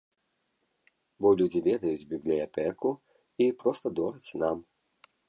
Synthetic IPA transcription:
bɔlʲud͡zʲivʲɛd̪ɐjud͡zʲbʲiblʲijat̪ɛku | ipɾɔst̪ɐd̪ɔɾɐt͡sʲnam

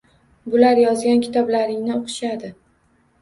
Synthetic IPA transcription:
bʊlaɾjɒzɡʲankʲʰɪ̥t̪ʰɒblaɾɪŋnɪoqʰɨ̥ʃad̪ɪ

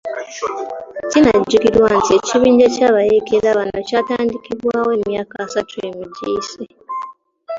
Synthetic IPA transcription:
cinaɟːukiɾwantie̞ciβiːɲɟecaβajekeɾaβanocaːtaːndikiβwaːwe̞ːmjaːkaːsatujemiɟḭse

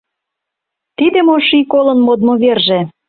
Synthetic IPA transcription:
t̪id̪ĕmoʃikolɤ̆nmod̪moβerʒĕ

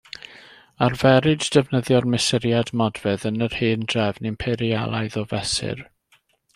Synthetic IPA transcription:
arvɛɾɪddɛvnəðjɔrmɪsɪɾjadmɔdvɛðənər̥hɨːnd̥rɛvnɪmpʰɛɾia̰lˠajðɔvɛsɪ̰r

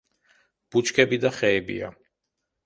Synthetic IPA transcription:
b̥ut͡ʃʰkʰɛbid̪aχɛːbḭa̰

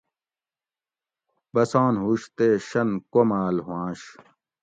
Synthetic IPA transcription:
bɐsaːnɦuɕt̪eːɕɐnkomaːlɦwãːɕ

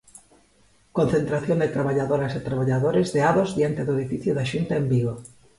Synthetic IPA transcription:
konθent̪ɾaθjond̪et̪ɾaβaʎaðoɾaset̪ɾaβ̞aʎaðoɾezðeaðozðjant̪eðoeðifiθjuðaʃunt̪aembiɣo

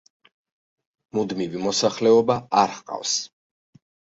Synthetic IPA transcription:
mud̪mivimɔsaχlɛɔbaaɾhqʼa̰fs

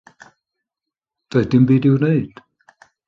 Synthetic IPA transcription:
d̥aɨd̥ɪmbiːdɪwneɨd̥

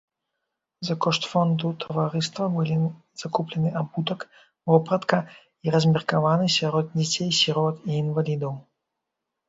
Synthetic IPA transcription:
zɐkɔʂt̪fɔnd̪ut̪ʰɐvaɾɨst̪vɐbɨlʲi | z̥akuplʲɛnɨabut̪ɐk | vɔpɾɐt̪kɐ | iɾɐzʲmʲɛrkavanɨsʲaɾɔd̪̚d͡zʲɛt͡sʲejsʲiɾɔt̪iːnvalʲid̪ɐw

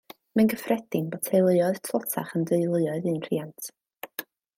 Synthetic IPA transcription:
mɛnɡəfrɛd̥ɪnbɔ̥tʰejlˠəjɔɨð̥tʰɔtʰa̰χəndəɨlˠəɔɨðɨːnr̥ḭːantʰ

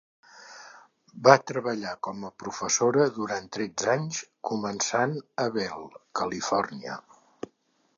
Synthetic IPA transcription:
bat̪ɾəβəʎakɔməpɾufəsoɾəðuɾant̪ɾɛd͡zaɲskumənsanəβɛlˠkəlifɔrniə̰

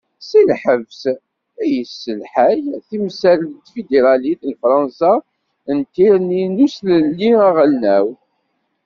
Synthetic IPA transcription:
silħəvs | æjəsːəlħæjθimsæɾlt̪ːfid̪eɾˤɑlit̪lfɾˤɑnsa | ənt̪ːiɾninusləlːiæʁəlnæw

